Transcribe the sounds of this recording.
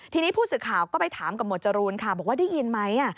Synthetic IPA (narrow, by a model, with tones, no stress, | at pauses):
t̪ʰiː˧niː˦˥pʰuː˥˩sɯː˨˩kʰaː˨˩wkɔː˥˩pa˧jt̪ʰaː˩˦mka˧m̚no˨˩t̪̚t͡ɕa˧ɾuː˧nkʰa˥˩bɔː˨˩k̚waː˥˩da˥˩ji˧nma˦˥jʔa˧˥˩